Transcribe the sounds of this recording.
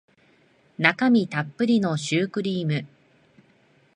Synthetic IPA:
nakamʲit̪apːɯ̟ɾʲino̞ɕɨːkɯ̟ɾʲiːmɯ̟

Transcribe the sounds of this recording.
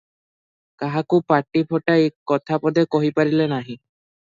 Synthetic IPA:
kaɦakupaʈipʰɔʈaekɔt̪ʰapɔd̪ekɔɦipaɾilenaɦĩ

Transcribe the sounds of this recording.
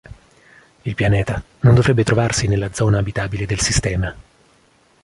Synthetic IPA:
ilpjanɛːt̪a | nond̪ovɾɛbːet̪ɾovarsinelːad̪zːɔːnaːbit̪aːbiled̪elsist̪ɛːma

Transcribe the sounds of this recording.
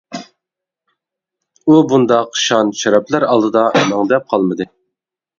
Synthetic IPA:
ubund̪ɑqʃɑnʃɑɾɑplæɾɑlˠd̪ɨd̪ɑʔɛmɑŋd̪ɛp̚qʰɑlˠmɨd̪ɨ

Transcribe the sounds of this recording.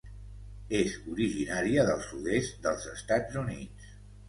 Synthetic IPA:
ezuɾiʒinaɾiəðəlˠsuðest̪d̪əlˠzəst̪ad͡zunis

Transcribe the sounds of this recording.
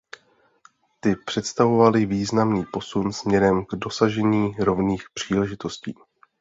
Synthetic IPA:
t̪ɪpr̝̥ɛt̪st̪avo̞valɪviːznamniːpo̞sunsmɲɛɾɛmɡdo̞saʒɛɲiːɾo̞vniːxpr̥iːlɛʒɪt̪o̞sciː

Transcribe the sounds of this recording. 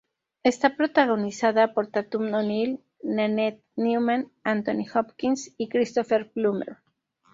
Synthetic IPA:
e̞st̪apɾo̞t̪aɣo̞nisaðapo̞ɾt̪at̪umnonil | nanet̪̚numanant̪onixopkinsikɾist̪o̞feɾplumḛɾ

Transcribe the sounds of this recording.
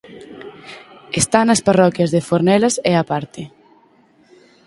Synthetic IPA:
est̪anɐsparɔkjɐzðɪfoɾnɛlɐseapaɾt̪ɪ

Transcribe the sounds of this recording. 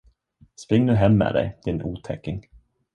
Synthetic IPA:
spɾɪŋːnʉːɦɛmːɛ̰ːd̪ɛ̰jd̪̥ɪnuːt̪ʰɛkːɪŋ

